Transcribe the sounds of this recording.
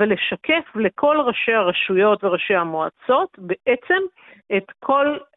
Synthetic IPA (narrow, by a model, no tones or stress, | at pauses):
veleʃake̞fle̞kʰo̞lʁaʃe̞jhaʁaʃujo̞tveʁaʃejhamoat͡so̞t̪be̞ʔet͡se̞m | et̪kʰo̞l